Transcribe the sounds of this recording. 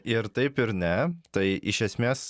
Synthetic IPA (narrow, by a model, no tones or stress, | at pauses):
ɪɾt̪ɐɪpɪɾnʲɛt̪ɐɪʔɪʃʲɛsʲmʲeːs